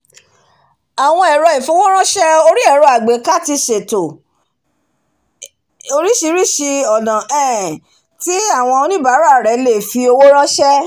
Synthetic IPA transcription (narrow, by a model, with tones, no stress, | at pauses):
a˨w̃ɔ̃˧ɛ˨ɾɔ˧i˨fo˧˦wo˦ɾ̃ã˦ʃɛ˦o˧ɾi˦ɛ˦˨ɾɔ˧a˨ɡ͡be˨˦ka˦ti˧ʃe˨to˨ | o˧ɾi˦ʃi˧˦ɾi˦ʃi˧ɔ˨nã˨ɛ˦˨ | ti˦a˦˨w̃ɔ̃˧o˧nĩ˦ba˨˦ɾa˦˨ɾɛ˨˦le˦˨fi˧o˧wo˦ɾ̃ã˦ʃɛ˦